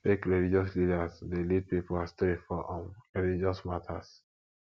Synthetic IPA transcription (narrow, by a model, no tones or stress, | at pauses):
fekɹilid͡ʒɔslidasdelid̚pipulastefɔʔɔ̃nɹilid͡ʒɔsmatʰas